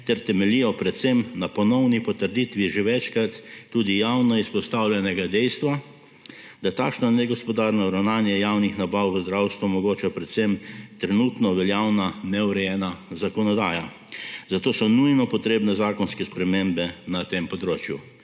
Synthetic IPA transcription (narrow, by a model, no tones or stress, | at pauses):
t̪ɛɾt̪ɛmɛlijɔpɾɛt̪semnapɔnɔwnipɔt̪əɾd̪it̪ʋiʒeʋɛt͡ʃkɾat̪ːuːd̪ijawnɔispɔst̪awljɛnɛɡad̪ɛjst̪ʋa | d̪̥at̪aːkʃnanɛɡɔspɔd̪aːɾnɔɾawnaːnjɛjawnixnabawʋəzd̪ɾawst̪ʋumɔɡoːt͡ʃapɾɛt̪semt̪ɾɛnut̪nɔʋɛljawnanɛuɾɛjɛːnazakɔnɔd̪aːja | zat̪oːsɔnujnɔpɔt̪ɾeːbnɛzaːkɔnskɛspɾɛmembɛnat̪empɔd̪ɾoːt͡ʃju